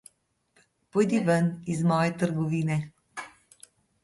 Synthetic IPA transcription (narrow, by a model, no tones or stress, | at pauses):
pɔjd̪iʋənizmɔːjɛt̪əɾɡɔʋiːnɛ